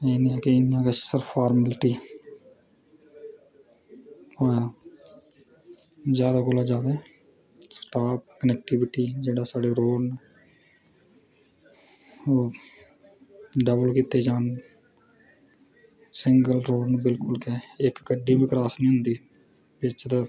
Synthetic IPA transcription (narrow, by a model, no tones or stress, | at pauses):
eːnẽːɛkɪɪnjãːkəsəɾpʰaːɾməlɪʈiː | ɾ | zjaːd̪aːkoːlaːd͡ʒaːd̪eː | sʈaːp̚kənɛːk̚ʈɪʋɪʈiːd͡ʒeːɽaːsaːɖeːɾoːɖnː | oː | ɖəbəlkit̪ːeːd͡ʒaːn | sɪŋɡəlɾoːɖnbɪlkʊlkɛːɪkːəɖiːbiːkɾaːsnĩːɦʊ̃nd̪iː | bɪt͡ʃt̪a